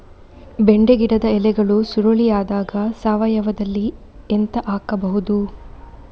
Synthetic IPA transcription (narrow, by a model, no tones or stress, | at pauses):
beɳɖeɡiɽɐd̪ɐɛlɛɡɐɭusuɾoɭijaːd̪aːɡɐsaːʋɐjɐʋɐd̪ɐlːi | ent̪ɐʔaːkɐbɐɦud̪u